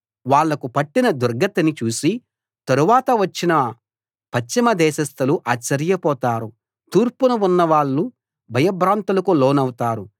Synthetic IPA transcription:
ʋaːɭːɐkupɐʈːinɐd̪uɾɡɐt̪ɐnit͡ʃuːsi | t̪ɐɾuʋaːt̪ɐʋɐt͡ʃːinɐ | pɐt͡ʃːimɐd̪ɛːʃɐst̪ʰɐluʔaːt͡ʃːɐɾijɐpɔːt̪aːɾu | t̪uːɾpunuʋunːɐʋaːɭːu | bʱɐjɐbʱɾaːnt̪ulɐkuloːnɐwut̪aːɾu

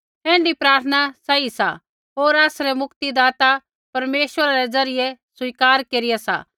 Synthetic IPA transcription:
ɦɛ̃ːɳɖipɾaːɾt̪ʰənasɐisa̰ | ɦoːɾaːsɾɛmʊkt̪id̪aːt̪a | pɐɾmeːʃʋəɾaɾɛzɐɾɪjesʊiːkaːɾkeːɾɪjasa̰ː

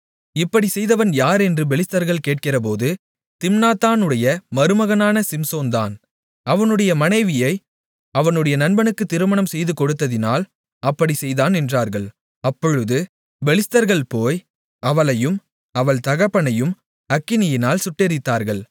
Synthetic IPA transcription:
ɪpːɐɽisɛjðɐʋɐnjaːɾɛndrɯbɛɭɪst̪ɐɾɣɐɭkeːʈ̚kɪrɐp̬oːðɯ | t̪ɪmnaːt̪ːaːnɯɽɐjɐmɐɾɯmɐɣɐnaːnɐsɪmsoːnd̪a̰ːn | ɐʋɐnɯɽɐjɐmɐnɐɪʋɪjɐɪ | ɐʋɐnɯɽɐjɐnɐnbɐnɯkːɯt̪ːɪɾɯmɐɳɐmsɛjðɯkɔɽɯt̪ːɐðɪnaːl | ɐpːɐɽisɛjðaːnɛndraːɾɣɐɭ | ɐpːɔɻɯðɯ | bɛɭɪst̪ɐɾɣɐɭpoːj | ɐʋɐɭɐjɯm | ɐʋɐɭt̪ɐɣɐpːɐɳɐjɯm | ɐkːɪnɪjɪnaːlsʊʈːɛɾɪt̪ːaːɾɣɐɭ

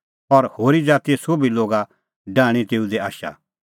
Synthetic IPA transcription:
ɔɾhoːɾid͡zaːt̪iesobiloːɡa | ɖaːɽ̃it̪eːud̪eaːʃa̰

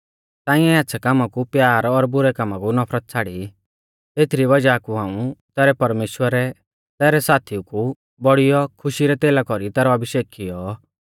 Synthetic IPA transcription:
t̪aːɪ̃ɛatːsʰakamakupjaːɾɔɾbʊɾɛkamakunɔpʰɾət̪̚t͡sʰaːɽi | t̪eːt̪ʰɾiβɐd͡ʒakuɦãːũt̪ɛːɾɛpɐɾmeːʃwəɾɛ | t̪ɛːɾɛsaːt̪ʰiuku | bɔɽijɔkʰʊʃiɾɛt̪eːlakɔɾit̪ɛːɾɔɐbɪʃeːkkɪjɔ

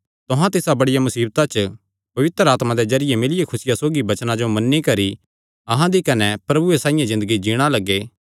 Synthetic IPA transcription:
t̪ʊɦãt̪ɪsabɐɽɪjamʊsiːbt̪at͡ʃ | pɐʋɪt̪ɾaːt̪mãd̪ezɐɾɪjemɪlɪjekʰʊsɪjasoːɡibɐt͡ʃnãd͡ʒomɐnːikɐɾi | ɐɦãd̪ikɐnɛpɾɐbuesãːɪjãzɪ̃nd̪əɡid͡ʒiːɽ̃alɐɡeː

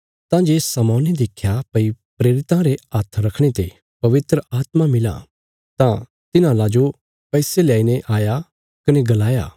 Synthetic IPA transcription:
t̪ãd͡ʒeːsɐmɔːnid̪eːkʰjapɐipɾeːɾɪt̪ãɾeaːt̪ʰɾɐkʰɽ̃et̪ḛ | pɐʋɪt̪ɾəʔaːt̪mamɪlã̰ | t̪ã | t̪ɪnãlad͡ʒo | pɛːseljaːineʔaːja | kɐneɡɐlaːja̰ː

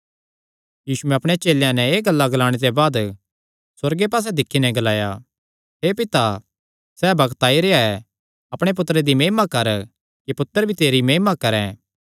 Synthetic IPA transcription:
jiːsuɛ̃ɐpɽ̃et͡ʃeːljãnɛeːɡɐlːaɡɐlaːɽ̃et̪ebaːd̪ | sɐɾɡepaːs̬ɛd̪ɪkʰːinɛ̃ɡɐlaːja | ɦepɪt̪a | sɛːbɐɡt̪aːiɾeːaɛ | ɐpɽ̃ep̬ʊt̪ːəɾed̪imeːɦmakɐɾ | kipʊt̪ːəɾbʱit̪eːɾimeːɦmakɐɾɛ̃

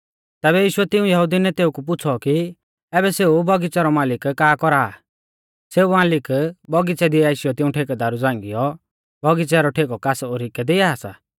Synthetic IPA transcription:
t̪ɛːβɛjiːʃʊɛt̪ɪũjɐɦud̪inɛt̪eːukup̬ʊt͡sʰɔki | ɛːbɛseubʱɔɡit͡sɛɾɔmaːlɪkːaːkɔɾaː | seːumaːlɪkbʱɔɡit͡sɛd̪iaːɪʃɪjɔt̪ɪũʈʰeːkd̪aɾud͡zãːŋɡɪjɔ | bʱɔɡit͡sɛɾɔʈʰeːkɔkasoɾɪkɛd̪eaːsa̰ː

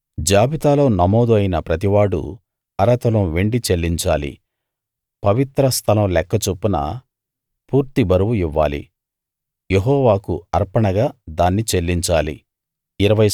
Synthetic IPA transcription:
d͡ʒaːbit̪aːlo̞ːnɐmɔːd̪uɐjnɐpɾɐt̪iʋaːɽṵ | ɐɾɐt̪ɐlɐmʋe̞ɳɖit͡ʃe̞lːiɲt͡ʃa̰ːlḭ | pɐʋit̪ɾɐst̪ʰɐlɐmlɛkːɐt͡ʃupːunɐ̰ | puːɾt̪ibʱɐɾuʋuiʋːa̰ːlḭ | jeɦɔːʋaːkuɐɾpɐɳɐɡaːd̪aːnːit͡ʃe̞lːiɲt͡ʃaːlḭ | iɾɐʋɐj

